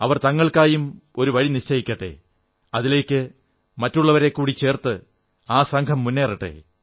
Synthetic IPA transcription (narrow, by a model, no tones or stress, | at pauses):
ɐʋɐrt̪ɐŋːɐɭkaːjumo̞ɾuʋɐɻiniɕt͡ɕɐjikʲːɐʈːḛ | ɐðile̞ːkʲːɨ | mɐtːuɭːɐʋɐɾe̞kːuːɽit͡ɕe̞ːrt̪ɨ | aːsɐŋkʰɐmːunːe̞ːriʈːḛ